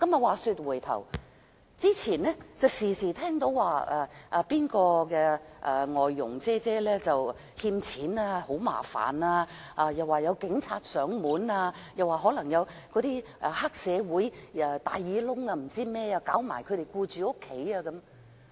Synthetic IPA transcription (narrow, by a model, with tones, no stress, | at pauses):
kɐ˨˥mɐ˨waː˨˩syː˧t̚wu˨˩jt̪ʰɐ̰˨˩w | t͡siː˥t͡sʰiː˨˩nːɛ˥t͡sɐ˨˩wsiː˨˩siː˨˩t̪ʰɛː˥ŋt̪o˨˥wːaː˨ɐ˨˩ʔaː˨˧piː˥nkɔː˧kɛː˧ʔaː˨ŋɔː˨jːʊ̰˨˩ŋt͡sɛː˥t͡sɛː˥lɛː˥t͡sɐ˨w | hiː˧mt͡sʰiː˨˥naː˧ho˨˥wma̰ː˨˩fa̰ː˨˩naː˧ʔaː˧jɐ˨waː˨jɐ˨˧wkɪ˨˥ŋt͡sʰaː˧t̚sœː˨˥ŋmuː˨˥naː˧jɐ˨waː˨˩ɦɔː˨˥lɐ˨˩ŋjɐ˨˧wkɔː˨˥t̪iː˥ʔa˧haː˥k̚sɛː˨˧wuː˨˥jɛː˨˩t̪aː˨jːiː˨˥lʊ˥ŋɐː˧m̩˨˩t͡siː˥mɛː˥aː˧kaː˨˥wma̰ː˨˩jkʰɵ˨˧ɾe˨jkuː˧t͡ʃyː˨ʊ˥kʰːe˨˥jaː˧kɐ˨˦˥m